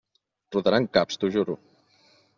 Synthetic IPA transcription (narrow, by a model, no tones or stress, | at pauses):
ruðaɾaŋkapst̪uʒuɾu